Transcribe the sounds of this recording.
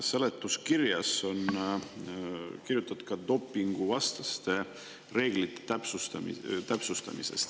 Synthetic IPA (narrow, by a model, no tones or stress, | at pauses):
selet̪ːˑuskirjɑso̞n | kirjut̪ːˑɑd̪̥̚kɑd̪o̞pːiŋɡ̥uvɑst̪ɑst̪e̞ | re̞ːɡlit̪ːˑe̥t̪æpsust̪ɑm̰t̪æpsust̪ɑ̰mḭsḛst̪